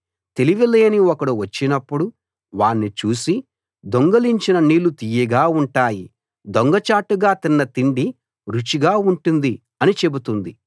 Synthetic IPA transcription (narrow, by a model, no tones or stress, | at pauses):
t̪e̞liʋileːniɔkɐɽuʋɐt͡ʃːinɐpːuɽu | ʋaːnːit͡ʃuːsi | d̪oŋɡɐliɲt͡ʃinɐniːlut̪iːjɐɡaːuɳʈaːji | d̪oŋɡɐt͡ʃaːʈuɡaːt̪inːɐt̪iɳɖi | ɾut͡ʃiɡaːuɳʈund̪i | ɐnit͡ʃe̞but̪und̪i